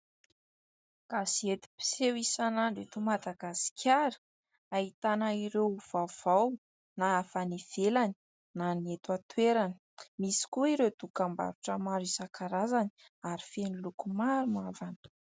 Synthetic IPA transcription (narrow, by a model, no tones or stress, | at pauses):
ɡ̥asiet̪i̥pi̥sewisanaɳɖ͡ʐet̪umad̪aɡasi̥kʰʲaɾi̥ | ait̪anaiɾewv̥awv̥aw | naafaniv̥elani̥ | naniet̪at̪weɾanə | misi̥kuiɾet̪ukamba̰ɾuʈ͡ʂəmaɾisakaɾazani | aɾifenilukumaɾumavanə̥